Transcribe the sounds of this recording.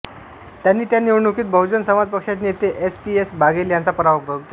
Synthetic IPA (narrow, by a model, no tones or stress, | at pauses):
t̪janːiːt̪janiwɳukiːt̪̚bʱəwd͡ʑənsəmad͡zpəkʂat͡ɕnjet̪eʔespiesbʱaɡeljant͡sapəɾaʋəbʱəɡ